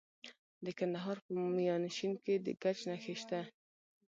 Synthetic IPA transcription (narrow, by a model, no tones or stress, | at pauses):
d̪əkand̪aɦɑɾpəmijɑnʃinked̪ə̰ɡat͡ʃnaxeʃt̪a